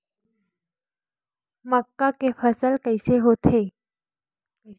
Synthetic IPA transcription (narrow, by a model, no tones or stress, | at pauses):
məkːakefəsəlkəjseɦot̪ʰe